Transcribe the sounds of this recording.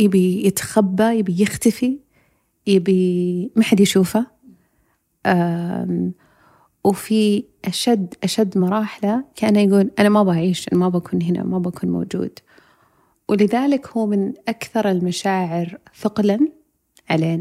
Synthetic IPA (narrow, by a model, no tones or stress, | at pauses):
jɪbijɪt̪xabːajɪbijɪxt̪afi | jɪbimaħad̪jaʃuːfa | ʔa | wfiʔaʃad̪ːʔaʃad̪ːmʊɾˤɑːħalakaʔanːajɡuːlʔanamabaʕiːʃʔanamabakuːnhɪna̰mabakuːnmo̰ːd͡ʒṵːd̪ | wʔɪlɪðaːlɪkhuːmɪnʔakθɑɾˤɪlmaʃaːʕɪɾfɪqlan | ʕaleːn